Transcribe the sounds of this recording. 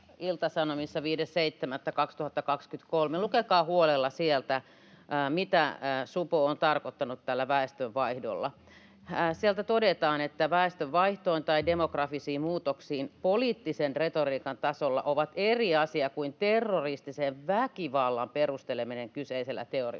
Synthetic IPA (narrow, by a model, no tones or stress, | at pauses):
ilt̪ɑsɑnomisːɑʋiːdesseit̪ːemæt̪ːækɑkst̪uhɑt̪ːɑkɑkskyt̪kolmelukekɑːhuolelːɑsielt̪æ | mit̪æsupoont̪ɑrkot̪ːɑnut̪tælːæʋæest̪øʋʋɑihdo̰lːɑ̰ | sielt̪æt̪odet̪ɑːnet̪ːæʋæest̪øʋʋɑiht̪oint̪ɑidemokrɑfisiːmmuːt̪oksiːnpoliːt̪ːisenret̪oriːkɑnt̪ɑsolːɑ̰ʔoʋɑt̪eriɑsiɑkuint̪erːorist̪iseʋʋækiʋɑlːɑmperust̪elemineŋkyseiselːæ̰t̪eorḭ